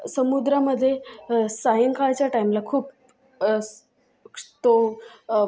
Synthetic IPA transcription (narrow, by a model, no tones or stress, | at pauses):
səmud̪ɾaməd̪ʱːjesajəŋkat͡ɕjaʈajmlakʰuːp | t̪o